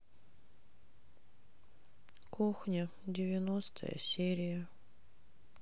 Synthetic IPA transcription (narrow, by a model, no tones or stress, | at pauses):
kuxnʲə | dʲɪvʲɪnost̪ʰə̰jə̰sʲeɾʲɪjə